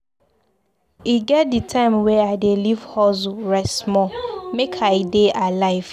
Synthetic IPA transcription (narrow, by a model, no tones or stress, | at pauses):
iɡɛt̚ditʰãɪ̃mwɛadelivhɔzʊɹɛsmɔ̃mekʰaɪdeʔalaɪv